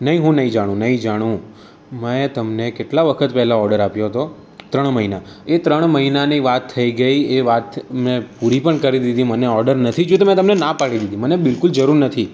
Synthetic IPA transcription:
nəɦĩɦũnəɦĩd͡ʒaɽ̃ũnəɦĩd͡ʒaɽ̃ũ | məẽt̪əmnekeʈlaʋəkʰət̪pɛɦlaɔɾɖəɾapjoɦət̪o | t̪ɾəɳməɦina | et̪ɾəɳ̃məɦinaniʋat̪ʰːəiɡəieʋat̪mẽpuɾipəɳkəɾid̪id̪ĩməneɔɾɖəɾnət̪ʰid͡ʒut̪emɛ̃t̪əmnenapaɭid̪id̪imənebɪlkʊld͡ʒəɾuɾnət̪ʰi

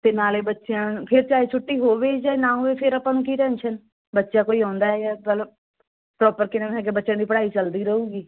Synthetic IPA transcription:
t̪eːnaːleːbətːʃejãːpʰɪɾt͡ʃaːit͡ʃʰʊʈːiːɦoːʋeːd͡ʒaːenãːoːʋeːpʰɪɾəpãːnũːkiːʈɛ̃ːnʃən | bətːʃaːkoːiːɔ̃ːnd̪aːɛjaːmələb | pɾɔːpəɾkɪnənɦɛːk̬ɪbətːʃə̃nd̪iːpəɽaːiːt͡ʃəld̪iːɾəɦuːɡiː

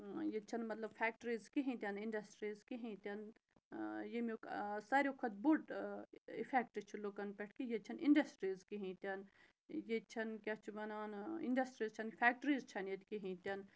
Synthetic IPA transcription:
jet͡ʃʰɐnmɐt̪lɐbfʰeːk̚ʈɾiːzkiɦĩt̪ʲɐniɳɖɐsʈɾiːzkiɦĩt̪ʲɐn | jemʲoksaːɾʲkʰɐt̪̚buʈ | ifʰek̚ʈɨt͡ʃʰulokɐnpeʈʰkijet͡ʃʰɐnḭɳɖɐsʈɾiːzkiɦĩt̪ʲɐn | jet͡ʃʰɐnkʲɐt͡ʃʰibɐnaːnḭɳɖɐsʈɾiːzt͡ʃʰɐnfʰeːk̚ʈɾiːzt͡ʃʰɐnjet̪ʲkiɦĩt̪ʲɐn

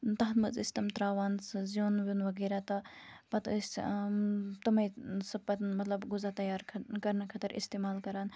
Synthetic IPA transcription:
t̪ɐɦnmɨzɨ̰sʲt̪ɐmt̪ɾaːʋaːnszioːnʋunʋɐɡeɾat̪ɐpɐt̪əsʲ | t̪ɐmɐjsɐbpɐt̪mɐt̪lɐbɡuzat̪ɐjaːɾʰkɐɾnɐkʰɐt̪ɐɾʔḭst̪eːmaːlkɐɾaːn

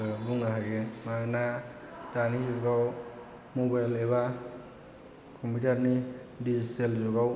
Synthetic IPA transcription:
buŋnaɦajemana | danizuɡaw | mobajleβa | kʰɔmpʰitaɾnidizitelzɔɡaw

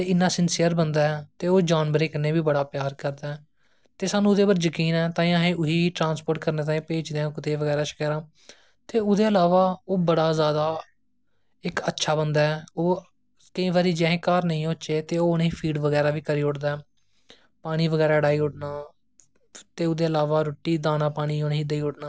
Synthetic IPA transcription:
t̪eːɪnːaːsɪnsijəɾbənd̪aːɛt̪eːoːd͡ʒaːnʋəɾeːkɪnẽːbiːbəɽaːpjaːɾkəɾd̪aːɛː | t̪eːsaːnũːʊd̪eːbəɾd͡ʒəkiːnɛːt̪ãːĩãːɦẽːʔʊɦiːʈɾãːnspoːɾʈkəɾneːt̪̬aːĩːpeːt͡ʃd̪eãkt̪eːʋəɡɛːɾaːʃə̥kɛːɾãː | t̪eːʊd̪eːəlaːʋaːoːbəɽaːzjaːd̪aː | ɪkətːʃʰaːbənd̪aːɛːoː | kəĩːʋaːɾiːd͡ʒɛ̃ːɦẽːkaːɾnəĩːoːt͡ʃeːt̪eːoːʊneĩːpʰiːɖʋəɡɛːɾaːʋiːkəɾiːʊʈd̪aːɛː | paːɽ̃iːʋəɡɛːɾaːɽaːiːʊʈ̚naː | t̪eːʊd̪eːəlaːʋaːɾoːʈːiːd̪aːnãːpaːɽ̃iːoneɦiːd̪əiːʊʈnaː

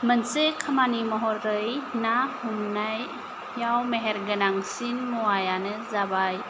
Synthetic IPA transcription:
mənsekʰamanimɔɦɔɾɯjnahumnajː | awmeɦeɾɡənaŋsinmuwajanɯzabaj

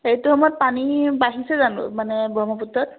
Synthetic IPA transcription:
ejtuɦɔmɔjɔpanibaɦisɛzanʊ̰manɛbʱɔmɔputɹɔt̚

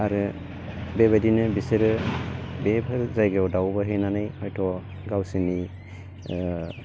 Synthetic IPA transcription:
aɾɯ | bebadinɯbiseɾɯbebʱaɾzajɡewdawbaɦijnanajhɔjtʰɔ | ɡawsini

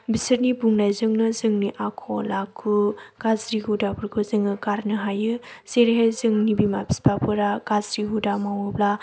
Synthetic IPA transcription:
bisɯɾnibuŋnajzɯŋnɯzɯŋniʔakʰɔlakʰuɡ̥azɾiɦudapɯɾkʰɯzɯŋɯɡaɾnɯɦajɯz̥eɾɦezɯŋnibimabispapʰɯɾaɡazɾiɦudamawɯbla

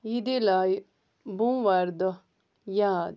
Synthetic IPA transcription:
jid̪elaj | bũʋaɾd̪ɔ | jaːd̪

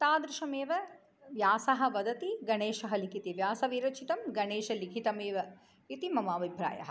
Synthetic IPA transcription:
t̪aːd̪ɾɪʃɐmeːʋɐ | ʋjaːsɐɦɐ̆ʋɐd̪ɐt̪iɡɐɳeːʃɐɦɐlikʰit̪iʋjaːsɐʋiːɾɐt͡ʃʰit̪ɐmɡɐɳeːʃɐlikʰit̪ɐmeːʋɐ | it̪imɐmaːbʱibɾa̰ːjɐ̰ɦɐ

